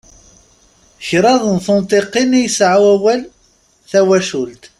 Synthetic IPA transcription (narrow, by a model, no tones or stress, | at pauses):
çɾˤɑðˤnθʊnt̪ˤeqinijəsʕawæwæl | θæwæʃʊlt̪